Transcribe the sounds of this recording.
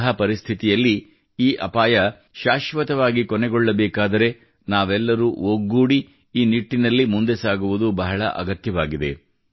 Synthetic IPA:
ɦɐpɐɾist̪ʰit̪ijɐlːi | iːʔɐpaːjɐ | ʃaːʃʋɐt̪ɐʋaːɡikɔnɛɡɔɭːɐbɛːkaːd̪ɐɾe̞ | naːʋɛlːɐɾuoɡːuːɽi | iːniʈːinɐlːimund̪e̞saːɡuʋud̪ubɐɦɐɭɐ̰ʔɐ̰ɡɐt̪jɐʋaːɡid̪ḛ

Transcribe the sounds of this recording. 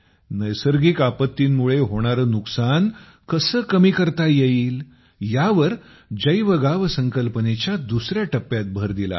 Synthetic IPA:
nəjsəɾɡiːkapət̪ːiːnmuɭeɦoɽ̃aɾənuksan | kəsəːkəmiːkəɾt̪ajeiːl | jaʋəɾ | d͡ʑəjʋəɡaʋsəŋkəlpənet͡ɕjad̪usɾjaʈəpːjat̪̚bʱəɾd̪ila̰

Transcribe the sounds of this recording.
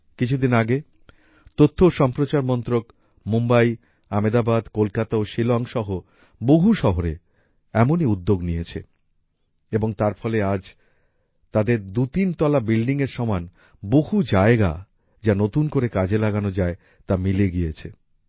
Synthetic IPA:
kit͡ɕʰud̪inaɡe | t̪ot̪ʰːoʃɔmpɾot͡ɕaɾmɔnt̪ɾok | mumbaj | amed̪abad̪kolkat̪aoʃilɔŋʃɔɦo | boɦuʃɔɦoɾe | ɛmoniud̪ːoɡnijet͡ɕʰḛ | eboŋt̪aɾfɔlead͡ʑ | t̪ad̪eɾd̪ut̪int̪ɔlabilɖiŋeɾʃɔman | boɦud͡ʑaeɡa̰ | d͡ʑanot̪unkoɾekad͡ʑelaɡanod͡ʑae | t̪amileɡijet͡ɕʰe

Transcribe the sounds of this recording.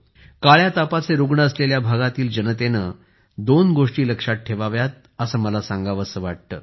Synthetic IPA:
kaɭjat̪apat͡seɾuɡɳəəsleljabʱaɡat̪iːld͡ʑənət̪enə | d̪onɡoʂʈiːləkʂaʈ̪̚ʈʰːeʋaʋjat̪̚ | əsəːməlasãŋɡaʋəsəʋaʈ̚t̪ə̰ː

